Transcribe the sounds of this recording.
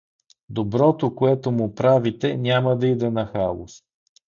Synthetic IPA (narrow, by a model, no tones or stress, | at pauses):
d̪obɾɔt̪okoɛt̪omʊpɾavit̪ɛnʲaməd̪ɐid̪ɛnɐxalˠʊ̰s